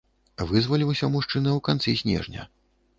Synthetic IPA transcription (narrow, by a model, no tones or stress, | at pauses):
vɨzvalʲiwsʲɐmuʂt͡ʂɨnɐwkant̪sisʲnʲɛ̰ʐnʲɐ̰